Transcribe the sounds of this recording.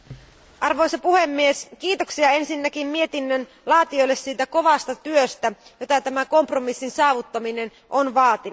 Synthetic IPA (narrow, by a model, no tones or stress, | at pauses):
ʔɑrʋo̞jsɑpuhe̞mːieskiːt̪oksiɑe̞nsinːækimmie̞t̪inːøn | lɑːt̪io̞jlːessiːt̪æko̞ʋɑst̪ɑt̪yøst̪æjo̞t̪ɑt̪æmæko̞mpromisːinsɑːʋut̪ːɑmine̞n | ʔonʋɑːt̪in